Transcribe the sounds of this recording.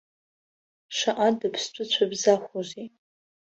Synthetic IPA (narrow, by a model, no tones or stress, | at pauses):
ʂaʔadapʰst͡ɕʷʼʊt͡ɕʷʰabzaχʷozi